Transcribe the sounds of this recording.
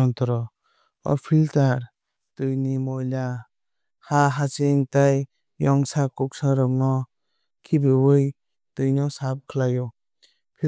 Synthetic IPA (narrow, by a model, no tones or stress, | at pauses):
ɔnt̪ɔɾɔ | ɔ̰pʰiltaɾ | tɯjnimɔjla | haɦat͡ʃeŋtaj | jɔŋsakuk̚saɾɔŋnɔ | kʰibɯwɯj | tɯjnɔsap̚kʰɯlajɔ | pʰi